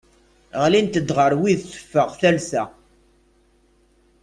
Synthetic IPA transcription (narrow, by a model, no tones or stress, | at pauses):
ʁlint̪əd̪ʁəɾwiðθə̥fːəʁθælsæ